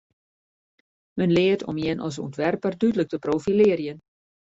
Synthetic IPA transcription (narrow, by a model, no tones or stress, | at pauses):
mənlɪətʰɔ̰mjɪnʔɔ̰s̬ṵəntʋɛrpərdydələk̚təproːfilɪəɾjən